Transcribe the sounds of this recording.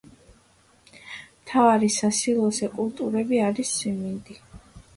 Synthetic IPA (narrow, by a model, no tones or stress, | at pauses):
mt̪ʰavaɾisasilˠɔsɛkʼulˠt̪ʼuɾɛbiaɾisːɛmind̪i